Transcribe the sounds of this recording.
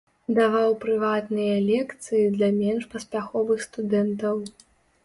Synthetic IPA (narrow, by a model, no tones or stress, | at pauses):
d̪avawpɾɨvat̪nɨjɐlʲɛkt̪sɨjid̪lʲɐmʲɛnʂpɐspʲaxɔvɨxst̪ud̪ɛnt̪ɐw